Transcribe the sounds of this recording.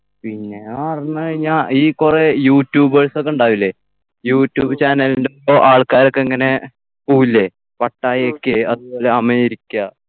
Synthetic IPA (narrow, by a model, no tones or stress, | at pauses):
pinːe̞aːrinːɐkɐɻiɲːaːiːkurejuːtːjuːbʋɐɭsokːeuɳɖaːʋilːe | juːtːjuːbɨt͡ɕaːnɐlindepːoʔaːɭkaːɾokːeŋːɐne̞ | puːilːe̞ | pɐʈːaːjokːeɐðupo̞ːle̞ɐmɐiɾikʲːa